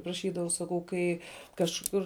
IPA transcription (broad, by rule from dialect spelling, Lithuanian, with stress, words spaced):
prɐˈʃʲiːdɐʋɐʊ sɐˈkɐʊ ˈkɐɪ kɐʃˈkʊr